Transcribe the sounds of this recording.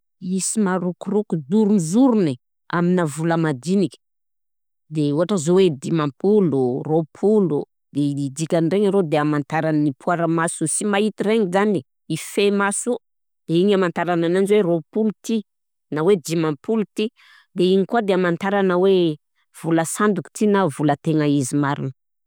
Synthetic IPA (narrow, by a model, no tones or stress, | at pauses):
isimaɾukurukud̪uɾunzuɾuni | aminavuləmad̪inikʲi̥ | d̪euɦaʈ͡ʂəzowed̪imampʰuluropʰulu | d̪̥eid̪ikʲanreɲaɾod̪eamant̪aɾannipʰuaɾəmasusimait̪ireŋizani | ifemasu | d̪̥eiɲamant̪aɾananand͡ʒweropulut̪i | nawed̪imãmpulut̪i | d̪eiɲikuad̪eamant̪aɾanawe | v̥uləsand̪uki̥t̪inavulət̪eŋəizimaɾinə